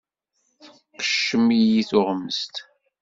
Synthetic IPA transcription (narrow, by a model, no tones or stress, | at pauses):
θə | qːə̥ʃːəmijiθʊʁmːəst̪